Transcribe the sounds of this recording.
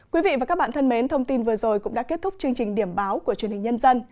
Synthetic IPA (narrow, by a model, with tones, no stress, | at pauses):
kwi˨˦vḭ˧˨vaː˨˩kaː˦˥k̚ɓa̰ː˧˨nt̪ʰə˧nme˨˦nt̪ʰə˧wŋ͡mt̪i˧nvɨ˨˩əzo˨˩jkʊ̰˧˥ŋ͡mɗa̰ː˧˥ke˦˥t̚t̪ʊ˦˥k͡p̚t͡ɕɨ˧əŋt͡ɕï˨˩ŋ̟ɗi˧˩əmɓaː˨˦wku˧˩ət͡ɕnhï˨˩ŋ̟ɲə˧nzə˧n